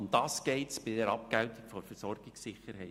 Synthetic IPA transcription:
md̥̪ɑːsɡ̥ɛɪtsb̥ɪdɛɾɑp̚kæʊt̪ɪɡ̥fɔɾfəsɔrɡ̥ɪksɪχəɾhɛɪ

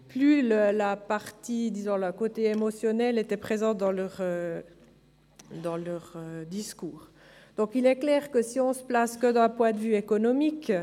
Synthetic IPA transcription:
plyləlapaʁt̪id̪izɔ̃ləkot̪eemɔsjɔnɛlet̪ɛpχezɑ̃t̪̚d̪ɑ̃lœʁø | d̪ɑ̃lœʁød̪iskuːʁ | d̪̥ɔ̃kilɛklɛːʁkəsiɔ̃sə̥plaskəd̪ɛ̃pwɛ̃d̪əvyekɔnɔmik

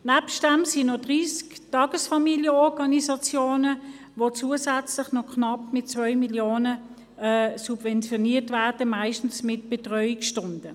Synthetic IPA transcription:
napst̚d̥æmsinodʁiːsktɑːɡ̥əsfɑmiljəɔʁɡɑnisɑt͡sjoːnə | vot͡suːəsæt͡slɪχnɔkʰnɑpmɪt̚t͡svœʏmiljoːnə | ɛsubvɛnt͡sjoniːtvæːɐd̥əmaɪʃtn̩smɪtb̥etʁœʏikʃtʊndə

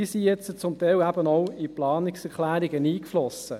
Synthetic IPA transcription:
isijɛt͡sət͡sʊmt̪ɛɪwæb̥ənɔwiplɑːnɪksɛʁklæːɾiɡəniːkflɔsə

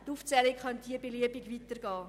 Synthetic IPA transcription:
tuft͡sɛlikχɑndiːəbeliəbiɡʋitəɾɡɑː

